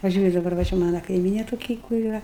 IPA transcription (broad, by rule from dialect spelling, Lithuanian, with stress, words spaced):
pɐˈʒʲuːrʲʊ dɐˈbɐr ʋɐ ˈt͡ʃʲɛ ˈmɑːnɐ kɐɪˈmʲiːnʲeː toːˈkʲɪ kʊr iːˈrɐ